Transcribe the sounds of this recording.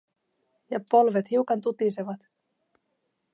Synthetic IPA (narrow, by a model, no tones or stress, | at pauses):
jɑpo̞lʋe̞t̪hiwkɑnt̪ut̪iseʋɑt̪